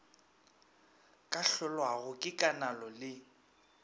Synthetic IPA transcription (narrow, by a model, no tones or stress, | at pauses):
kʼaɬʊlwaɣʊkʼɪkʼanalɔlɪ